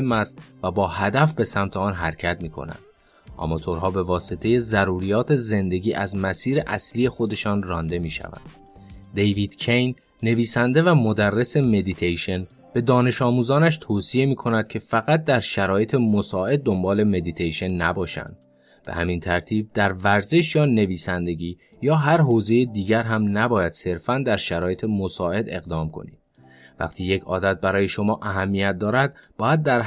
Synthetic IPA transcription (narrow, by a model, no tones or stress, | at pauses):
emːæst̪væbɒːhæd̪æfbe̞sæmt̪ʰeɒːnɦæɾcʰæt̪̚miːkʰo̰næ̰nd̪̥ | ʔɒ̰mɒt̪ʰoɾɦɒːbe̞vɒːse̞t̪ʰe̞je̞zæɾuːɾijɒːt̪ʰe̞ze̞nd̪e̞ɟiːʔæzmæsiːɾeʔæslije̞xo̞d̪e̞ʃɒːnrɒːnd̪e̞miːʃæ̰væ̰nd̪̥ | d̪e̞jviːd̪̥cʰejnː | e̞viːsænd̪e̞væmo̞d̪ærːe̞se̞me̞d̪it̪ʰejʃe̞n | b̥e̞d̪ɒːne̞ʃɒːmuːzɒːnæʃt̪ʰoːsije̞miːkʰo̞næd̪̥cʰe̞fæɣæt̪̚ʰd̪æɾʃæɾɒːje̞t̪ʰe̞mosɒːe̞d̪̚ːo̞mbɒːle̞me̞d̪it̪ʰejʃe̞nːæbɒːʃæ̰nd̪̥̚ | b̥ḛhæmint̪ʰæɾt̪ʰiːb̚d̪æɾvæɾze̞ʃjɒːne̞viːsænd̪e̞ɟiː | jɒːɦæɾɦoːze̞jed̪iːɟæɾɦæmnæbɒːjæd̪̥se̞ɾfænd̪æɾʃæɾɒːje̞t̪ʰe̞mosɒːe̞d̪e̞̰ɣd̪ɒːmkʰo̞̰nḭːd̪̥ | væ̰qt̪ʰiːjecʰɒ̰ːd̪æt̪̚bæɾɒːje̞ʃo̞mɒːʔæɦæmːijæt̪̚d̪ɒːɾæd̪̚b̥ɒːjæd̪̚ːæɾ